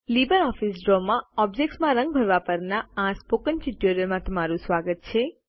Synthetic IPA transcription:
libəɾɔfisɖɾɔmãɔb̚d͡ʒek̚ʈsmãɾə̃ŋɡ̚bʱəɾʋapəɾnaãspokənʈiʈoɾiəɾmãt̪əmaɾũsʋaɡət̪̚t͡ʃʰe

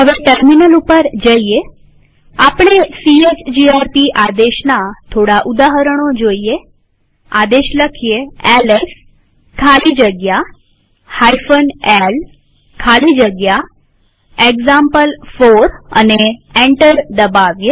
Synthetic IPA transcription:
ɦəʋeʈəɾminəlupəɾd͡ʒəie | apɳ̃esiet͡ʃd͡ʒiaɾpiʔad̪eʃnat̪ʰoɽaʔud̪aɦəɾəɽ̃od͡ʒoie | ad̪eʃləkʰieeles | kʰalid͡ʒəɡja | hajfənel | kʰalid͡ʒəɡja | eɡzampəlfoɾə̰neẽɳʈəɾd̪əbaʋjə

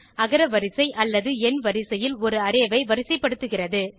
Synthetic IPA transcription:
ɐɣɐɾɐʋɐɾɪsɐɪʔɐlːɐðɯɛnʋɐɾɪsɐjɪlɔɾɯɐɾeːʋɐɪʋɐɾɪsɐɪpːɐɽɯt̪ːɯɣɪrɐðɯ

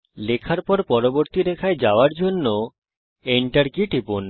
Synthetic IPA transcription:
lekʰaɾpɔɾpɔɾoboɾt̪iɾekʰaed͡ʑaoaɾd͡ʑonːo | eɳʈaɾkiʈipon

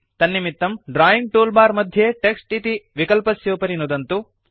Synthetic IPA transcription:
t̪ɐnːimit̪ːɐmɖɾaːjiŋɡ̚ʈuːlbaːɾmɐd̪ʱjeʈeksʈit̪iʋikɐlpɐsjoːpɐɾinud̪ɐnt̪u

